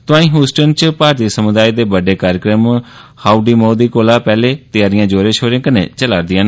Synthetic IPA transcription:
t̪ʊãːĩːɦuːsʈənt͡ʃpaːɾt̪iːsəmʊd̪aːiːd̪eːbəɖeːkaːɾjəkɾəmhaːuɖiːmoːd̪iːkoːlaːpɛːleːt̪ɪjaːɾɪjãːd͡ʒoːɾẽːʃʰoːɾẽːkənḛ̃ːt͡ʃəlaːɾd̪ɪjãːn

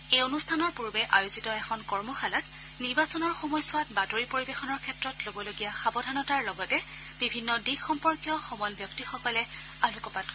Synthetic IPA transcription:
ejonustʰanɔɹpuɹbɛʔajozitɔɛxʰɔnkɔɹmɔxalat | niɹbasɔnɔɹxomɔjsʊwatbatoɹipoɹibexɔnɔɹkʰɛtɹɔtlobɔloɡijaxabɔdʱanɔtaɹlɔɡɔtɛb̥ibʱinːɔdiɡxɔmpɔɹkjɔxɔmɔlbjɔktixɔkɔlɛ | alukɔpat

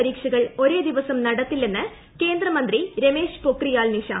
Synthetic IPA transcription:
ɐɾiːkʂɐɣɐɭo̞ɾe̞ːd̪iʋɐsɐmnɐɽɐt̪ːilːenːɨ | ke̞ːnd̪rɐmɐnd̪riɾeme̞ːʂpokrijaːlniʂa̰

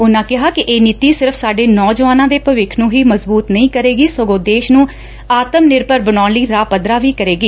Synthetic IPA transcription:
ʊnãːkɪɦaːkɪʔeːniːt̪iːsɪɾəfʰsaːɖeːnɔːd͡ʒəʋaːnãːd̪eːpəʋɪkʰnũːɦiːməzbuːt̪nəĩːkəɾeːɡiːsəɡõːd̪eːʃnũː | aːt̪əmnɪɾpəɾbənaːnliːɾaːpəd̪ɾaːʋiːkəɾeːɡiː

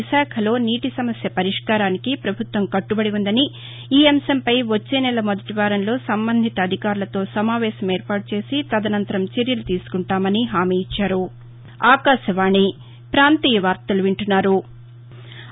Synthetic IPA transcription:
iʃaːkʰɐlo̞ːniːʈisɐmɐsjɐpɐɾiʂkaːɾaːnikipɾɐbʱut̪ʋɐmkɐʈːubɐɽiʋund̪ɐni | iːɐmɐsɐmpɐjʋot͡ʃːe̞ːnɛlɐmod̪ɐʈiʋaːɾɐnlo̞ːsɐmbɐnd̪ʱit̪ɐɐd̪ʱikaːɾulɐt̪o̞ːsɐmaːʋɛːsɐme̞ːɾpaːʈut͡ʃe̞ːsit̪ɐd̪ɐnɐnt̪ɐɾɐmt͡ʃeɾjɐlut̪iːsu̥kuɳʈaːmɐniɦaːmiːjit͡ʃːaːɾu | aːkaːʃɐʋaːɳi | pɾaːnt̪iːjɐʋaːɾt̪ɐluʋiɳʈunːaːɾu

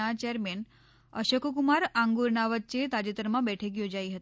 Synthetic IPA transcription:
at͡ɕɛɾmen | əɕəkokumaɾaŋɡuɾɳaʋat̪̚t͡ɕet̪ad͡ʑet̪əɾmabɛʈʰekjod͡ʑaiɦət̪i

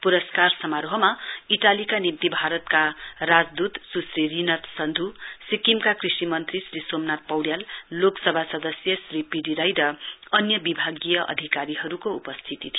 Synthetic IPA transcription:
puɾʌskarsʌmaɾoɦʌmaiʈalikanimt̪ibʱaɾʌt̪karad͡zd̪ut̪susririnʌt̪sʌnd̪ʱusikimkakrisimʌnt̪risrisomnat̪̚pʌwɽjalːoksʌbʱasʌd̪ʌsjʌsripiɖiɾajɾʌʌnjʌbibʱaɡijʌʔʌ̰d̪ʱikaɾiɦʌɾukoupʌst̪ʰit̪it̪ʰijo

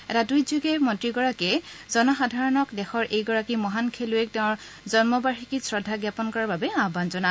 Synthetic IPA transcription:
ɛtadujzuɡɛmɔntɹiɡɔɹakɛzɔnɔxadʱaɹɔnɔkdɛxɔɹʔejɡɔɹakimɔɦankʰeluɛk̚tɛ̃ɹ | zɔnmɔbaɹikisɹɔdʱːaɡjapɔnkɔɹababɛãbanzɔna

